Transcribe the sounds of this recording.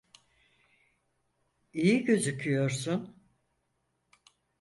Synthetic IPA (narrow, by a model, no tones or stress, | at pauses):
ijiɟø̞zycʰyjo̞ɾsun